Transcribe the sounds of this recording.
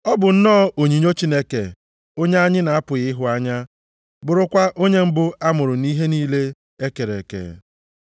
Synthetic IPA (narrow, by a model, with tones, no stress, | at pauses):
ɔ˦bʊ˨n̩˦nɔː˦o˨ɲi˨ɲo˦t͡ʃi˦ne˦ke˨ | o˦ɲe˦a˦ɲɪ˦na˨a˦pʊ˨ɣɪ˦ɦʊ˦a˦ɲa˦ | bʊ˨ɾʊ˦kʷa˦ʔo˦ɲe˦m̩˦bʊ˦a˦mʊ˨ɾʊ˨ni˦ɦe˦niː˦le˦ | e˦ke˨ɾe˨kḛ˨